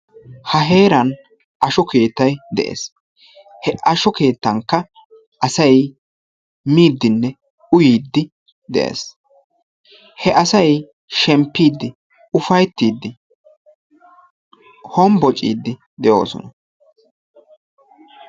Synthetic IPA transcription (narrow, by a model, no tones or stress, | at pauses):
hɐɦe̞ːɾɐn | ʔɐʃɔke̞ːt̪ːɐjd̪ɛ̰ʔḛːs | hɛʔɐʃɔke̞ːt̪ːɐŋkːɐ | ʔɐsɐj | miːd̪ːɪnːɛ | ʊjiːd̪ːɪ | d̪ɛ̰ʔḛːs | hɛʔɐsɐj | ʃɛmpːiːd̪ːɪ | ʊfɐjt̪ːiːd̪ːɪ | hɔmbɔt͡ʃʼːḭːd̪ːɪ | d̪ɛjo̞̰ːsɔ̰nɐ